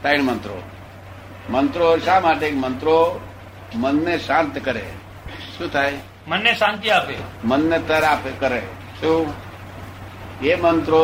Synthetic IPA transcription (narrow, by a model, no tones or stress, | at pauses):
t̪aiɳmənt̪ɾo̰ | mənt̪ɾoɪʃamaʈ̬eːkmənt̪ɾo | mənːeʃãnt̪kəɾḛ | ʃũːt̪ʰaːj | mənːeʃãnt̪iapemənːet̪əɾapekəɾe | ʃũ | emənt̪ɾo